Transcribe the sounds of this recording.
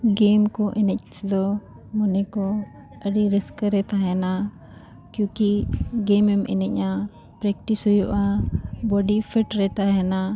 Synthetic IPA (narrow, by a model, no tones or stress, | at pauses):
ɡemkɔʔɛnɛc̚t͡ʃd̪ɔ | mɔnɛkɔ | əɖiɾiskɾɛt̪aɦɛna | kjũkiɡɛmɛmɛ̰nɛc̚ˀɲa | pɾɛk̚ʈisɦujuʔabɔɖipʰɛʈɾɛt̪aɦɛna